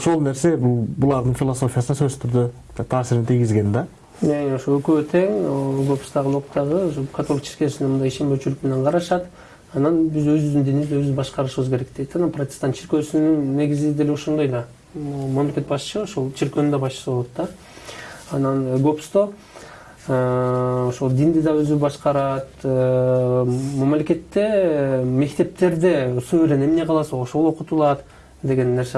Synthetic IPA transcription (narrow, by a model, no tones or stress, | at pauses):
ʃolˠne̞ɾse̞bulˠbulˠɑɾd̪ɨɴfʲilˠoso̞fʲijasənɑsøzt̪ʰyɾd̪ø | t̪ʰɑːsiɾinɪt̪ʰijɡʲizɡe̞nd̪a | menoʃolˠøkøt̪ʰe̞ŋɡo̞pst̪ɑʁəlˠoqt̪ɑʁəoʃokʰat̪o̞lʲˠɪkt͡ʃʰi̥ɾkʲesind̪emund̪ɑjiʃe̞mbet͡ʃylykme̞ne̞ɴqʰɑɾɑʃɑt̪ | ɑnɑnbizøzyβɪzd̪ind̪iniizøzbɑʃqɑɾɯʃɯβɯzkʲe̞ɾe̞k̚d̪̥ejt̪ɑnɑnprot̪ʲɪ̥st̪ɑnt͡ʃʰiɾkʲø̞synynːe̞ɡʲizɪed̪e̞leo̞ʃond̪ɑjd̪ɑ | mamlʲe̞kʲe̞t̪̚bɑʃt͡ʃɯo̞ʃolˠt͡ʃʰiɾkønynd̪ɑbɑʃt͡ʃɯ̥sɯboot̪d̪ɑ | ɑnɑnɡopst̪o | oʃolˠd̪ind̪id̪ɑøzybɑʃqɑɾɑt̪ | momlʲe̞kʲe̞t̪ːe̞me̞kt̪e̞p̚t̪ʰe̞ɾd̪e̞søøɾene̞mne̞qʰɑlˠɑsɑo̞ʃolˠo̞qut̪ulˠɑt̪ | d̪e̞ɡe̞nːe̞ɾse